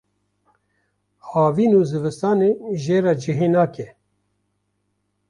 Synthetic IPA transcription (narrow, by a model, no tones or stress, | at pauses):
hɑːviːnuːzɨvɨst̪ɑːneːʒeːɾɑːd͡ʒiɦeːnaːkɛ